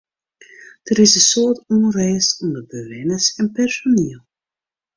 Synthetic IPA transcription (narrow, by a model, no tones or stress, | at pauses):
d̥əɾɪsəsoərtɔnrɛːsɔndəbəʋɪnəsɛnpɛrsoniəlˠ